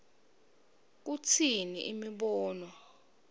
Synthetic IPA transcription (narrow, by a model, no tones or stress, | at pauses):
k̬ut͡sʰiniʔimiɓɔːnwɔ